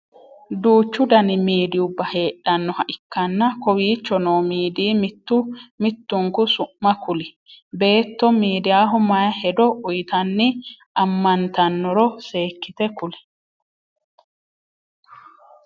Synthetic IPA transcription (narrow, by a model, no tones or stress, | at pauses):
d̪uːt͡ʃːʊd̪ɐnɪmiːd̪ɪʊbːɐhe̞ːʔːɐnːɔhɐʔɪkːɐnːɐkɔwiːt͡ʃːɔnoːmiːd̪iːmɪt̪ːʊmɪt̪ːʊŋkʊsʊʔmɐkʊlɪ | be̞ːt̪ːɔmiːd̪ɪjaːɦɔmɐjɐhɛd̪ɔʔʊjt̪ɐnːɪ | ɐmːɐnt̪ɐnːɔɾɔse̞ːkːɪt̪ɛkʊlɪ̥